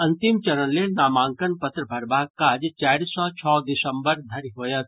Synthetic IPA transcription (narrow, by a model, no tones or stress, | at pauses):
ɐ̃nt̪imt͡ʃɐɾə̃nːenaːmãːŋkənpɐt̪ɾəbʱɐɾbaːkːad͡ʒt͡ʃaːɾisːɔt͡ʃʰɔːd̪ɪsɐmbəɾd̪ʱɐɾiɦoːjɐt̪